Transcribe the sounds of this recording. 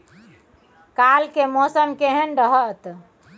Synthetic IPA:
kalkemɔsəmkeɦənɾəɦət̪

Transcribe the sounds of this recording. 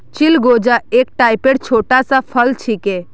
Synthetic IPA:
t͡ʃilɡod͡ʒaek̚ʈajpeɽt͡ʃʰoʈasãpʰəlt͡ʃʰike

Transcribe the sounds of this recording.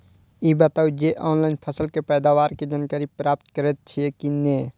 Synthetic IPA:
iːbət̪aːud͡ʒeʔɔːnlaːɪnpʰəsəlkepɛːd̪aːʋaːɾked͡ʒankəɾipɾaːp̚t̪kəɾet̪̚t͡ʃʰiekineː

